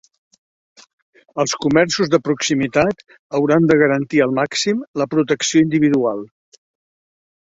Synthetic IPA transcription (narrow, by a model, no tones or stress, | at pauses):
əlˠskumɛɾsuzðəpɾuksimit̪at̪ | əwɾand̪əɣəɾənt̪iəlˠmaksimləpɾut̪əksioind̪iβ̞iðualˠ